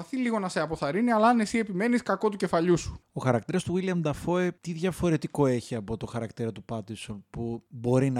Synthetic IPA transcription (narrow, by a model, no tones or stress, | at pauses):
ɐθiliɣo̞nɐse̞ɐpo̞θɐɾiniɐlɐɐnesie̞pime̞niskɐko̞t̪uce̞fɐʎusu̥o̞xɐɾɐkt̪iɾɐst̪uwiliɐmd̪ɐfo̞et̪iðʝɐfo̞ɾe̞t̪iko̞e̞çiɐpo̞t̪o̞xɐɾɐkt̪iɾɐt̪upɐt̪iso̞npubo̞ɾinɐ